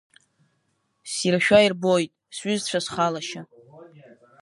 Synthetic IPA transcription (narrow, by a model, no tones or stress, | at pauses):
sirʃᶣairbojtʼsɥʏzt͡ɕʷʰasχalaʃa